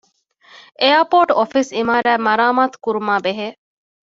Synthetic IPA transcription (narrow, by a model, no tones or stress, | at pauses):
ʔejɐpoːʈofisimaːɾæːmɐɾaːmaːt̪u̥kuɾumaːbeɦeː